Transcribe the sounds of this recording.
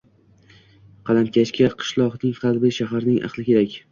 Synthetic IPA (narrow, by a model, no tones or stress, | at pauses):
qʰɑlamkʲʰat͡ʃkʲaqʰɨ̥ʃlˠɒqnɪŋχɑlˠbɪʃaɦaɾnɪŋʔɑ̰χlˠɪkʲʰe̞ɾakʲ